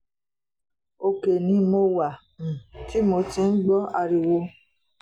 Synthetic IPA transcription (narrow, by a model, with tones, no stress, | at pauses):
o˧ke˨nĩ˨˦mo˧wa˨ | m˨ti˦mo˧ti˧n̩˦ɡ͡bɔ˦a˧ɾi˧wo˧